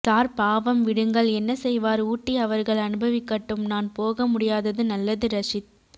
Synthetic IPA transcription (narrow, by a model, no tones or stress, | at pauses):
saːɾpaːʋɐmʋɪɽɯŋɡɐɭɛnːɐsɛjʋaːɾuːʈːiɐʋɐɾɣɐɭɐnɯbɐʋɪkːɐʈːɯmnaːnpoːɣɐmʊɽɪjaːðɐðɯnɐlːɐðɯɾɐʂɪt̪̚